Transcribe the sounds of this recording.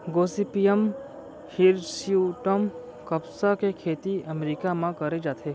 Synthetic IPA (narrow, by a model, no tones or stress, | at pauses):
ɡoːsipijəm | hiɾsiuʈəm | kɐpsakekʰeːt̪iɐmɾikamãkɐɾed͡ʒaːt̪ʰeː